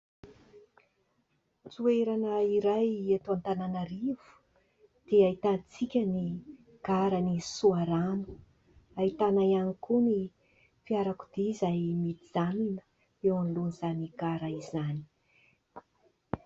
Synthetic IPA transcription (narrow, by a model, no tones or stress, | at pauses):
d͡zueɾanəiɾajet̪uant̪ananaɾiv̥u̥ | d̪̥eait̪anit͡sikʲəni | ɡ̥aɾanisuaɾanu̥ | ait̪anajanikuni | fiaɾaku̥d̪iizajmit̪id͡zaninə̥ | ewanlunizaniɡaɾaizani̥